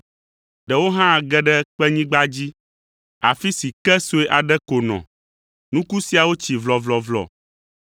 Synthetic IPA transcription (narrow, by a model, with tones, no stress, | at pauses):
ɖɛ˨wo˦ɦã˦˨ɡɛ˦ɖɛ˦k͡pɛ˦ɲĩ˦ɡ͡ba˦d͡ʑi˦ | a˨fi˦si˨kɛ˦so˦e˦ʔa˨ɖɛ˦ko˨nɔ̰̃˨ | nũ˦ku˦si˨˦a˨wo˦t͡ɕi˨vlɔ˨vlɔ˨vlɔ̰˨